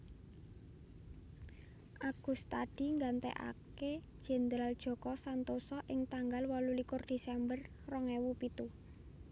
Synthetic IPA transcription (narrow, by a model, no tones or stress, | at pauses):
ʔaɡ̥ṳst̪ad̥i̤ŋɡant̪ɛ̰ʔa̰ked̥ʒ̥ɛ̤nd̪ɾald̥ʒ̥ɔ̤kɔsant̪osɔʔɪŋt̪aŋɡalwɔlulikʊrd̪̥e̤sɛmbərː | ɔŋɛwupit̪u